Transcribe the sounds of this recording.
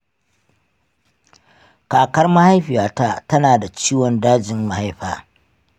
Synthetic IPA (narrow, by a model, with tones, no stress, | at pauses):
kaː˨kɐ˦rma˦ha˦jɸɪ˨jaː˨ta˦tɐ˦naː˨da˨t͡ʃiː˦wɔ˨ndaː˦d͡ʒɪ˦mːa˨ha˦jɸaː˨